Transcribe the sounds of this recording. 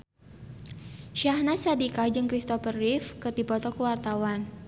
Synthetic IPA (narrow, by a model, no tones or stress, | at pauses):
ʃiahnasadikad͡ʒɨŋkɾist̪ɔfərɪfkɨrdipɔt̪ɔkəwart̪awan